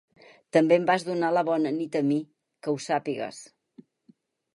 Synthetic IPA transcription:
t̪əmbembazðunaləβɔnənit̪əmi | kəusapiɣə̰s

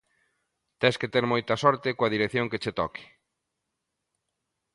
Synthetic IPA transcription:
t̪ɛsket̪eɾmojt̪ɐsɔɾt̪ɪkoɐðiɾekθjoŋket͡ʃet̪ɔkɪ̥

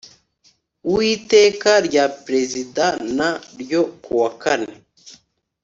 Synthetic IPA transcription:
wiːte̞ːkaɾɟapɾe̞zidanaɾjo̞kuwakane

